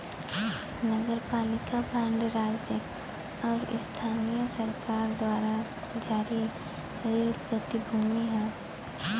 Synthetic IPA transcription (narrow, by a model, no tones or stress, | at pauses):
nəɡəɾpaːlɪkabɛ̃ːɳɖɾaːd͡ʒjə | ɔːɾɪ̰st̪ʰaːnijəsəɾkaːɾd̪waːɾa | d͡ʒaːɾi | ɾeɾpɾət̪ibʱuːmiɦɛː